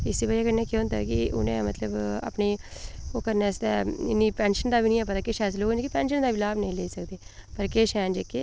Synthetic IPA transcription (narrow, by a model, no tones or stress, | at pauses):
ɪsiːbad͡ʒaːkəɾneːkeõnt̪a̰ːkɪʊ̰nḛ̃ːmə̰t̪ləba̰ːpniːoːkəɾnɛːst̪ɛːɪ̰nːĩːpɛːnʃənd̪aːbiːnĩːɛpət̪aːkeːʃɛːs̬loːɡnd͡ʒkeːpɛːnʃənd̪aːʋilaːbnəĩːleːiːsəkd̪eːpəɾkeːʃɛ̃ːnd͡ʒekeː